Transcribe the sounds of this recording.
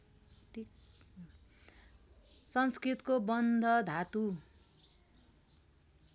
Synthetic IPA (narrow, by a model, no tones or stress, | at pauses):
ʈʰi | sʌnskrit̪kobʌnd̪ʱʌd̪ʱat̪u